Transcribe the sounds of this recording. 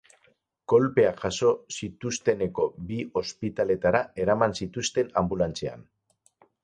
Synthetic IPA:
ko̞lpe̞aʝaso̞sit̪ust̪e̞ne̞ko̞bio̞spit̪ale̞t̪aɾae̞ɾamansit̪ust̪e̞nambulant͡se̞a̰n

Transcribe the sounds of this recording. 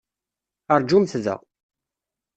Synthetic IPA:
əɾˤd͡ʒumθðə̰ʁ

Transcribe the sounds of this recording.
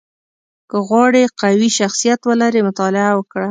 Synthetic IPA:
kəɣwɑɽeqawiʃaxsijat̪wəlaɾemʊt̪ɑlɪawəkɽa

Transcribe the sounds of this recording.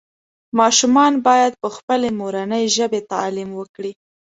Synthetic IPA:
mɑʃumɑnbɑjad̪̚pəxpəlemoɾanəjʒəbet̪ɑlimwəkɽi

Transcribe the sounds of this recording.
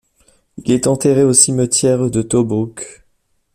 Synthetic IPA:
ilɛt̪ɑ̃t̪eʁeosimət̪jɛʁd̪ət̪obuk

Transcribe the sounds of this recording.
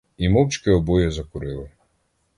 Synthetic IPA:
imɔwt͡ʃkɪɔbɔjɛzɐkʊɾɪlˠɪ

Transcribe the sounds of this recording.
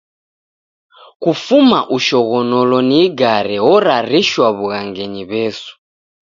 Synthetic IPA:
kufumaʔuʃɔɣɔnɔlɔniɡaɾɛwɔɾaɾiʃwaβuɣaŋɡɛɲiβɛsu̥

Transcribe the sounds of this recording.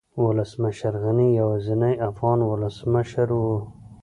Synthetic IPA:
wʊləsməʃəɾɣanijawazinajafɣɑːnwʊləsmaʃaɾwu

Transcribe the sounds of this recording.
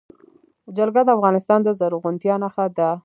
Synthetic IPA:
d͡ʒalɡad̪əafɣɑnɪst̪ɑnd̪əzaɾuɣʊnt̪jɑnaxad̪a

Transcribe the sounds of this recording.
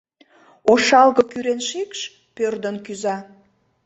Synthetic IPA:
oʃɑlɣɤkyɾenʃikʃ | pørd̪ənkyzɑ

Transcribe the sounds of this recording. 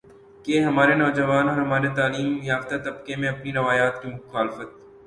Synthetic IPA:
keɦɐmaːɾenɔːd͡ʒɐʋaːnɔːɾɦɐmaːɾet̪aːliːmjaːft̪at̪ɐbkemẽɐpniɾɐʋaːjaːt̪kimʊxaːlfət̪̚

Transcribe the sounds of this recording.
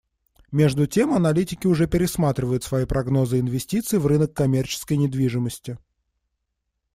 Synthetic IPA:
mʲe̞ʐd̪ʊtʲe̞mɐnɐlʲitʲɪkʲɪʊʐɛpʲɪɾʲɪsmat̪ɾʲɪvəjʊt̪svɐjipɾɐɡno̞zɨɪnvʲɪsʲtʲit̪sɨɪvrɨnəkːɐmʲert͡ɕɪ̥skəjnʲɪd̪vʲiʐɨməsʲtʲɪ

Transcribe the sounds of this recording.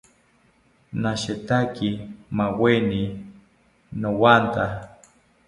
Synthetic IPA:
naʃet̪akimaweni | nowant̪a

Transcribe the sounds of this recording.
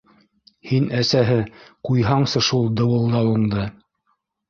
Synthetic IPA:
hinæsæɦɘqujɦɑɴsɤʃulˠd̪ɤ̆wɤ̆lˠd̪ɑwɤ̆ɴd̪ɤ

